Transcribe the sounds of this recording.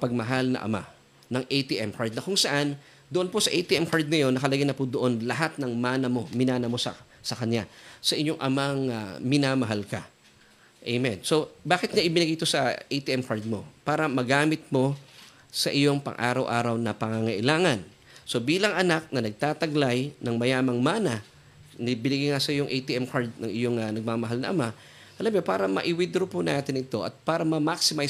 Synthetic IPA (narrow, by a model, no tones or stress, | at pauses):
pɐɡ̚mɐɦalnɐ̰ʔɐ̰ma̰ | nɐŋʔejt̪iʔɛmkaɹd̪̚nɐkʊŋsɐʔan | d̪oʔonposɐʔejt̪iʔɛmkʰaɹd̪̚ŋɐjo̞nːɐkɐlɐɡajnɐpud̪oʔo̞nlɐɦat̪̚nɐŋmaːnɐmo̞mɪnaːnɐmo̞sɐ̰ | sɐkɐɲːa̰sɐʔɪɲo̞ŋʔɐmaŋamɪnamɐɦalkɐ̰ | ʔejmɛnso̞baːkɪt̪̚ɲaʔɪbɪnɐɡʔt̪o̞sɐʔejt̪iʔɛmkaɹd̪̚mo̞paːɾɐmɐɡaːmɪt̪̚mo̞ | sɐʔɪjo̞ŋpɐ̰ŋʔa̰ːɾɐwʔaːɾɐwnɐpɐŋaŋɐʔɪlaːŋɐn | so̞biːlɐŋʔɐnak̚nɐnɐɡ̚t̪aːt̪ɐɡlajnɐŋmɐjaːmɐŋmaːnɐ | nɪbɪnɪɡiŋasɐɪjoŋʔejt̪iʔɛmkaɹd̪̚nɐŋɪjoŋɐnɐɡ̚mamɐɦalnɐ̰ʔɐma | ʔɐlamɲopaːɾɐmɐ̰ʔɪwɪd̪ɾopʊnaːt̪ɪnɪt̪o̞ʔɐ̰t̪̚paːɾɐmɐmaksɪmaj